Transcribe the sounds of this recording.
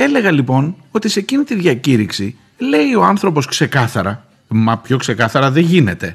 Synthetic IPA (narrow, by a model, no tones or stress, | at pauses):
ele̞ɣɐlipo̞no̞t̪ise̞cinit̪iðʝɐciɾiksi | le̞io̞ɐnθɾo̞po̞skse̞kɐθɐɾɐ | mɐpço̞kse̞kɐθɐɾɐðe̞ʝine̞t̪e̞